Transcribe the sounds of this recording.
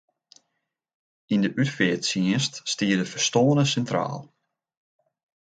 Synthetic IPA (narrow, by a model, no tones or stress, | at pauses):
indəʔytfɪətsiənststiədəfəɹstoːənəsɛntra̰ːlˠ